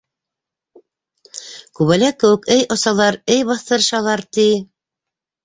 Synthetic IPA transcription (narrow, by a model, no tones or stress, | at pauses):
kʉβælækːɘ̆wɘ̆kɘjʔŏsɑlˠɑɾɘjbɑθt̪ɤ̆ɾ̆ʃɑlˠɑɾt̪i